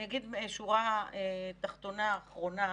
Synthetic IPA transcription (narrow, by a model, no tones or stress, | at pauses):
naɡid̪meeʃuʁaet̪aχt̪o̞naːχʁo̞na